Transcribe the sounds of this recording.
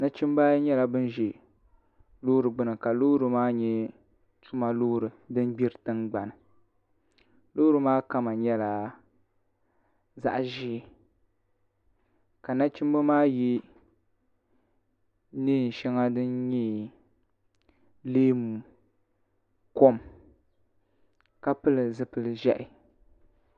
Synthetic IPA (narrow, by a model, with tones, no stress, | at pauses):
na˦t͡ʃi˦m˦ba˦ɲɛ˦la˨bɨ˦n˦ʒi˨ | lo˦ɾɨ˨ɡ͡bɨ˦nɨ˨ka˨loː˦ɾɨ˨maː˦ɲɛ˦ | tu˦ma˦˨lo˦hɾɨ˨dɨ˦n˦ɡ͡bi˦ɾɨ˨tɨ˦nɡ͡ba˨nɨ˨ | lo˦ɾɨ˨maː˦ka˦ma˨ɲɛ˦la˨ | za̰˦ʔʒiː˦˨ | ka˨na˦t͡ʃi˦m˦bo˦maː˦ji˦ | niː˦˨n˨ʃɛ˦ŋa˦dɨ˦nɲɛ˦ | leː˦mu˨ | ko˦m | ka˦pɨ˦lɨ˨zɨ˦pɨ˦lɨ˦ʒɛ˦ʔɪ˨